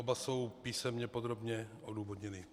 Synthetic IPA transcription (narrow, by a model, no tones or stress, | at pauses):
obasowpiːsɛmɲɛpod̪ɾo̞bɲɛʔoduːvodɲɛnɪ